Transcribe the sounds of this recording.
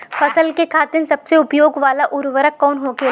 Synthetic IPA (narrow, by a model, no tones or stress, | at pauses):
fʰɐsəlkekʰaːt̪ɪnsɐbseʊpjoːɡʋaːlaʔʊɾʋəɾəkːɔːnɦoːɡe